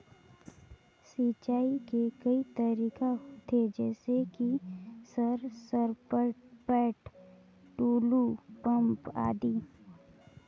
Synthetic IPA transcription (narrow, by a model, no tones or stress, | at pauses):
siːt͡ʃaːikekɐit̪əɾiːkat̪ʰed͡ʒɛːsekisəɾsəɾpəpɛːʈ | ʈuːlupɐ̃mpa̰ːd̪iː